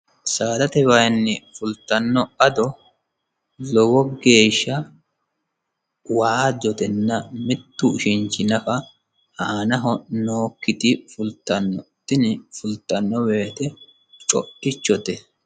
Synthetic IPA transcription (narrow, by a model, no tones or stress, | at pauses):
saːd̪ɐt̪ɛwɐjnːɛfʊlt̪ːɐnːɔɐd̪ɔ | lɔwɔɡe̞ːʃːɐ | waːd̪ɔt̪ɛnːɐmɪt̪ːʊʃɪnt͡ʃːɪnɐfɐ | haːnɐɦɔnoːkːɪt̪ɪfʊlt̪ːɐnːɔt̪ːɪnɪfʊlt̪ːɐnːɔweːt̪ɛ | t͡ʃʼɔ̰ʔɪt͡ʃːɔt̪ɛ